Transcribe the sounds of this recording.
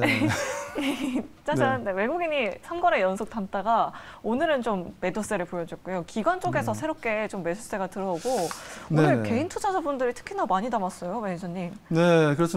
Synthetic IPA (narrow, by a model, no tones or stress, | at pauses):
e | t͡ɕ͈ad͡ʑaɯndewe̞ɡuɡiɲisʰanɡʌɾejʌnsʰok̚t͈ant͈aɡaonɯɾɯnt͡ɕomːe̞dos͈e̞ɾɯɭpojʌd͡ʑʌk͈ujokiɡwant͡ɕ͈oɡe̞sʰʌsʰe̞ɾop̚k͈e̞t͡ɕomːedʰus͈e̞ɡatɯɾʌoɡoonɯɭke̞intʰud͡ʑʰad͡ʑabundɯɾitʰɯ̥kʰinʌmaɲinamas͈ʌjomed͡ʑʰʌɲːimnekɯɾʌsʰ